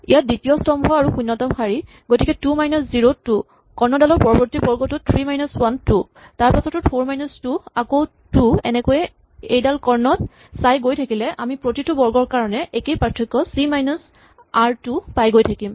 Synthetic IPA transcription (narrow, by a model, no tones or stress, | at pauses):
ḭjaditiɔstɔmʱɔaɹuxunːɔtɔmxaɹi | ɡotikɛtumajnɔsziɹotu | kɔɹnɔdalɔɹpɔɹɔbɔɹtibɔɹɡɔtutʰɹimajnɔswantu | taɹpasɔtʊtpʰoɹmajnɔstuako | tuɛnɛkojɛ | ejdalkɔɹnɔt | sajɡojtʰakilɛʔamipɹotitubɔɹɡɔɹkaɹɔnɛʔekejpɹatʰːɔkːɔsimajnɔs | aɹtupajɡojtʰakim